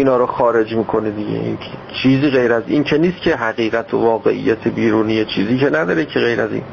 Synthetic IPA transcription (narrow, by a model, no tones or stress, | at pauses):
iːnɒːɾoxɒːɾe̞d͡ʒmiːkʰo̞nid̪iɟḛʔḭnkʰet͡ʃʰiːziːɣejɾæzḭːncʰeniːst̪̚cʰeɦæɣiːɣæt̪ʰovɒːɣḛʔḭjːæt̪ʰebiːɾuːniːjet͡ʃʰiːziːcʰenæd̪ɒːɾecʰeɣejɾæ̰zḭːn